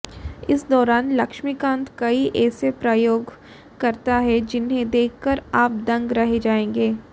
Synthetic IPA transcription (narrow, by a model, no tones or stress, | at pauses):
ɪsd̪ɔːɾaːnlɐkʃmikãːnt̪kɐiʔɛːsepɾaːjoːɡ | kɐɾt̪aɦɛd͡ʒɪnɦẽd̪eːkʰkəɾaːp̚d̪ɐ̃ŋɡɾɐɦed͡ʒaːẽːŋɡeː